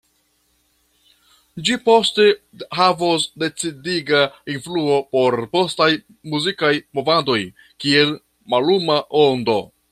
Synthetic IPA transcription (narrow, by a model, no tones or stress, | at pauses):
d͡ʒipo̞ste̞ | havos̬de̞t͡sidiɡainfluo̞po̞ɾpo̞staj | muzikajmo̞vado̞j | kie̞l | malumaʔondo̞